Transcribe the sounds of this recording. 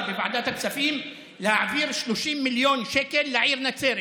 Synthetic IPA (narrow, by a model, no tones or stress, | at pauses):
bɪbaʕd̪aːt̪aksafiːm | lɪhaʕviːɾʃluʃiːmːɪljoːnʃɛkɛlːɪʕiːɾnat͡seːɾ